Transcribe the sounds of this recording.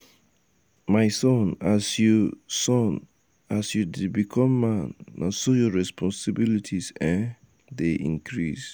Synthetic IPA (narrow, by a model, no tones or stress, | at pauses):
mãɪsɔ̃nasjusɔ̃n | asjudidbikʰɔ̃mːãnːã̰sojɔɹɛspʰɔ̃nsibilitʰisɛ̃n | deʔḭ̃ŋkʰɾis